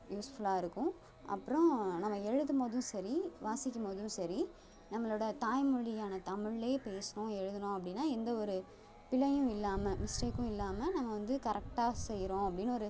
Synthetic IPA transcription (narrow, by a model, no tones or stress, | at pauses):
juːsfɐɭaːɪɾɯkːʊ̃ | ʔɐ̰pːɯɾʊ̃nɐmːɐɛɻɯðɯmoːðʊ̃sɐɾiʋaːsɪkʲːɐmoːðʊ̃sɐɾi | nɐmːɐɭoːɽɐt̪aːjmʊɻɪjaːnɐt̪ɐmɪɻːeːpeːsɐnõɛɻɯðɐnʊ̃ɐpːɐɽɪnːaːɛnd̪ɐɔɾɯ | pɪlɐjʊ̃ɪlːaːmɐmɪsʈeːkːʊ̃ɪlːaːmɐnɐmːɐʋɐnd̪ɯkɐɾɛk̚ʈaːsɛjːɪɾõːɐpːɐɽɪnːɔɾɯ